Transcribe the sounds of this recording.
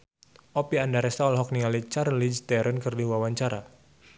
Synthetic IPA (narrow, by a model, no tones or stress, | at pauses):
ʔɔpiandaɾɛst̪aɔlɦɔk̚niŋalit͡ʃaɾlid͡ʒt̪ɛɾənkɨrdiwawaɲt͡ʃaɾa